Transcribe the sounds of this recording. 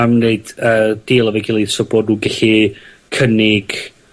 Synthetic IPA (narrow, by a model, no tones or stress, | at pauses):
amneɨd̥əːd̥ɪlˠavɛɡɪlˠesɔboːdnuːɡɛɬi | kʰənɪɡ̥